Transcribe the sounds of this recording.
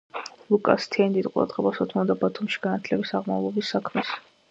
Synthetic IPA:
lˠukʼa̰st̪ʰɛand̪id̪qʼuɾa̰d̪̥ʁɛbasɔt̪ʰmɔd̪abat̪ʰumʃi̥ɡ̥anat̪ʰlɛbisaʁma̰vlˠɔbisːakʰmɛs

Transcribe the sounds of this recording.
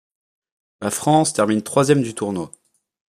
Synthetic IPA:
lafχɑ̃st̪ɛʁmint̪χwazjɛmd̪yt̪uʁno

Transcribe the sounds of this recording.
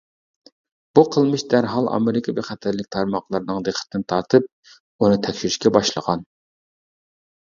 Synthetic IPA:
b̥uqʰəlˠmɨʃd̪æɾɦɑlˠɑ̰mɪɾɪkʰɑvɛχæt̪ʰæɾlɪkʲt̪ʰɑɾmɑχlˠɨɾɨnɨŋd̪eχʰə̥t̪ɨd̪ɪnt̪ʰɑɾt̪ʰɨp̚ | unɨt̪ʰɛkʲʃyɾyʃkʲɛbɑʃlˠə̰ʁɑn

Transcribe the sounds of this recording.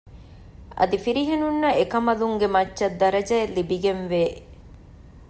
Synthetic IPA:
ʔɐ̰d̪ifiɾiɦenunːɐekɐmɐluŋɡemɐt͡ʃːʃɐd̪ːɐɾɐd͡ʒɐelibiɡenʋeː

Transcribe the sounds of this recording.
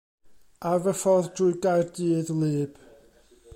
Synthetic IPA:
avəfɔðdrʊɨɡajrdiːðlˠɨːb̥

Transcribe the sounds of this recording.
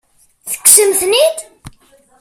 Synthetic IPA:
θə̥ksəmθnit̪

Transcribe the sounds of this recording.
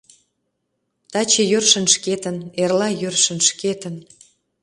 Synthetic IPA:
t̪ɑt͡ɕejørʃə̆nʃket̪ə̆nerlɑjørʃə̆nʃket̪ə̆n

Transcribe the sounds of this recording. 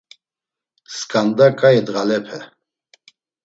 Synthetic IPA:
skʼand̪akʼajɛd̪ɣalɛpʰɛ

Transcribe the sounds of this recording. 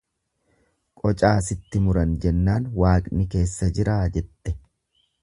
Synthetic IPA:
kʼɔt͡ʃʼaːsɪt̪ːɪmʊɾɐnd͡ʒɛnːaːnwaːkʼnɪke̞ːsːɐd͡ʒɪɾaːd͡ʒɛt̪ːɛ̥

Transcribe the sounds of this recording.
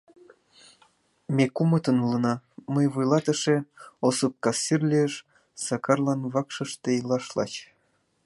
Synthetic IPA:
mʲekumət̪ənulɤ̆nɑməjβujlɑt̪ə̆ʃeosup̚kɑsːirlʲieʃ | sɑkɑrlɑnβɑkʃɤ̆ʃt̪ejlɑʃlɑ̰t͡ɕ

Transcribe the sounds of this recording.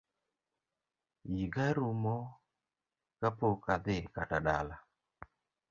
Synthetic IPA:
jiɡaɾumɔ | kapokad̪ɪkataɗala

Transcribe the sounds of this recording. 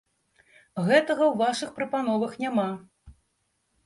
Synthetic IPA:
ɣɛt̪ɐɣɐwvaʂɨxpɾɐpan̪ɔvɐxnʲama

